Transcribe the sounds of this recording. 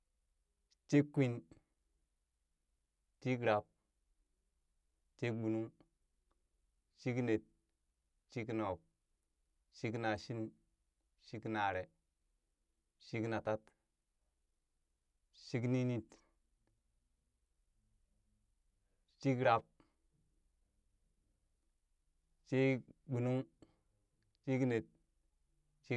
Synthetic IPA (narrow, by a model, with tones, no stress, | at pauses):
t͡ʃi˦kːwi˦n | t͡ʃi˦kɾa˨p̚ | t͡ʃi˦k̚bu˨nu˦ŋ | t͡ʃi˦kne˨t̚ | t͡ʃi˦kno˨p̚ | ʃi˦kna˨ʃi˦n | ʃi˦kna˨ɾe˨ | ʃi˦kna˨ta˦t | t͡ʃi˦kni˦ni˦t | t͡ʃi˦kɾa˨p̚ | t͡ʃi˦bu˨nu˦ŋ | t͡ʃi˦kne˨t̚ | t͡ʃi˦